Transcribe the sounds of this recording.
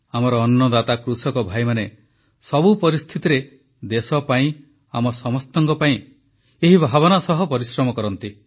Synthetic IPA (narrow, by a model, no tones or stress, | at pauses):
amɔɾɔːnːɔd̪at̪akɾusɔkɔbʱajmane | sɔbupɔɾist̪ʰit̪iɾe | d̪esɔpaĩ | amɔsɔmɔst̪ɔŋkɔpaĩ | eɦibʱabɔnasɔɦɔpɔɾisɾɔmɔkɔɾɔnt̪i